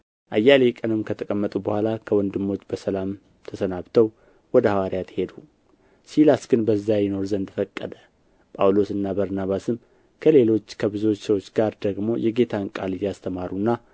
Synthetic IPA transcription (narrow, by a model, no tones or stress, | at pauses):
ʔajːale̞kʼənɨmkʰət̪ʰəkʼəmːət̪ʼubəhʷalakʰəwɔnd̪ɨmːo̞t͡ʃːbəsəlam | t̪ʰəsənaβt̪ʰəw | wɔd̪əhawaɾijat̪he̞d̪u | silasɡɨnbəzːajɪno̞ɾzənd̪ɨfəkʼːəd̪ə | pʼawlo̞sɨnːabəɾnaβasɨm | kʰəle̞lo̞t͡ʃːkʰəbɨzo̞t͡ʃːsəwo̞t͡ʃːɡaɾd̪əɡmo̞jɛɡe̞t̪ʰaŋkʼalid̪ijast̪ʰəmaɾunːa